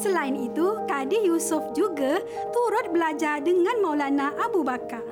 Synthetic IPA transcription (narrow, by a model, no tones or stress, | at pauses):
səlaɪnit̪ukadijusʊfd͡ʒuɡa | t̪uɾʊt̪̚bəlad͡ʒardəŋãnmawlanãʔabubaka